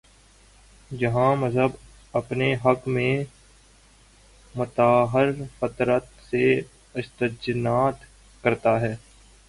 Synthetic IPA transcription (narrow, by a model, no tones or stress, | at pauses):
d͡ʒɐɦãːmɐzɦəb | ɐpneɦɐkmẽ | mʊt̪aːɦəɾfət̪ɾət̪se | əʃt̪əd͡ʒnaːt̪ | kɐɾt̪aɦɛː